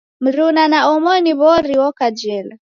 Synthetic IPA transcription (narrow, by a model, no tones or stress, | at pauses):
m̩ɾunanaɔmɔniβɔɾiwɔkad͡ʒɛla